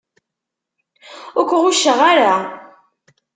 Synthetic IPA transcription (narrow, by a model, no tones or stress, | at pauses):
ʊɾkʷːʁuʃːəʁaɾa